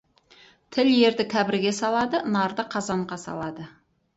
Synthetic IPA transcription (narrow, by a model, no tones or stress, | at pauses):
t̪ʰɪlje̞ɾd̪ɪkʲʰæbɪɾɡʲe̞sɑlˠɑd̪ənɑɾd̪əqʰɑzɑɴʁɑsɑ̰lˠɑd̪ə